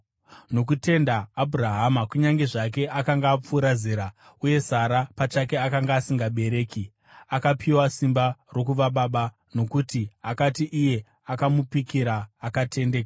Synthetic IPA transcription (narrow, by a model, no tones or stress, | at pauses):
no̞k̬ute̞ndaːbʱuraɦamakuɲaŋɡe̞ʐak̬e̞ʔakaŋɡaːp͡fuːɾaziːɾa | uje̞saɾapat͡ʃake̞akaŋɡaːsiŋɡaɓe̞ɾe̞ːki | akapʰiwasimbaro̞kuʋaɓaɓa | no̞kutiakatiʔije̞ | akamupikiɾaːkatʰe̞ndeːka